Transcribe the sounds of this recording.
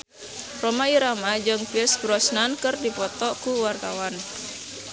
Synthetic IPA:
romaiɾamad͡ʒɨŋpiəsbɾɔsnankɨrdipɔt̪ɔkuwart̪awan

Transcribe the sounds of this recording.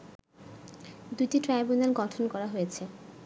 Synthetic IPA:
d̪uʈiʈɾajbunalɡɔʈʰonkɔɾaɦojet͡ɕʰe

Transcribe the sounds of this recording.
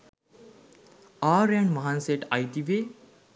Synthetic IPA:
aːɾaɳmaɦanseʈajd̪iʋe

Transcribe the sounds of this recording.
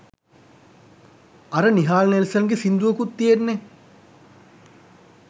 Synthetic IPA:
aɾəniɦaːlnelsəŋɡesind̪uʋəkut̪ːijenːe

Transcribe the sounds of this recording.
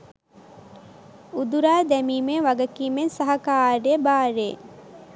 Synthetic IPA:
ud̪uɾaːd̪ɛmiːmeːʋaɡɐkiːmensaɦɐkaːɾejəbaːɾe

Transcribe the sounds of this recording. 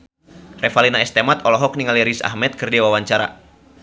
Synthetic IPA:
rɛfalinaɛst̪ɛmat̪ɔlɔɦɔk̚niŋaliɾisa̰hmɛt̪̚kɨrdiwawaɲt͡ʃaɾa̰

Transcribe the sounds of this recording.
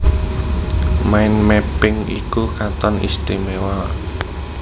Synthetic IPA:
maɪnmepɪŋḭkukat̪ɔnḭst̪imewa

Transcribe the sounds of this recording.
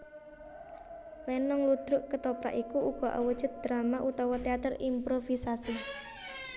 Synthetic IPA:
lɛnːɔŋlud̪̥ɾʊʔkət̪opɾa̰ʔikuʔuɡ̥ɔ̤ʔa̰wəd̥ʒ̥ʊt̪̚d̪̥ɾamaʔut̪ɔwɔt̪eat̪ərḭmpɾofisasi

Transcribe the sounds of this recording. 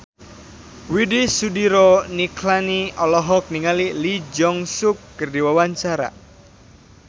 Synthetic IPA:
widisudiɾɔnikʰlaniɔlɔɦɔk̚niŋalilid͡ʒɔŋsukːərdiwawaɲt͡ʃaɾa̰

